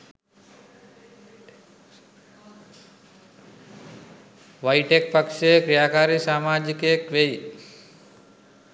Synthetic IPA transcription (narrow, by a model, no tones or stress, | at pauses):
ʋɐjʈek̚pɐkʃekɾijaːkaːɾisaːmaːd͡ʒikekʋej